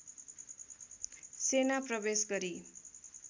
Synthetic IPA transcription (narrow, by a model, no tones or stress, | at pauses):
senaprʌbesɡʌɾi